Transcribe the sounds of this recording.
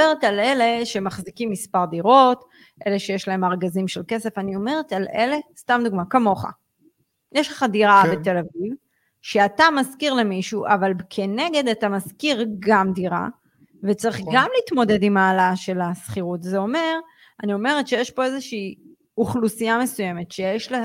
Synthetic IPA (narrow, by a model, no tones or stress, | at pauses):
eʁetale̞le̞ʃemaχzikimːispaʁd̪iʁo̞t | ʔeleʃejeʃlae̞maʁɡazimʃelke̞se̞fanio̞me̞ʁetalʔele̞stamd̪uɡmakamo̞χa̰ | jʔeʃleχadiʁabete̞laviv | ʃeatamazkiʁlemiʃuʔavalkʰe̞ne̞ɡe̞d̪atamazkiʁɡamdiʁa̰ | vet͡saʁiχɡamliːt̪mo̞de̞d̪imaːlaʃe̞lasχiʁutzeo̞me̞ʁ | anio̞me̞ʁetʃe̞jeʃpo̞ezeʃiː | uχlusiame̞suje̞me̞tʃejeʃle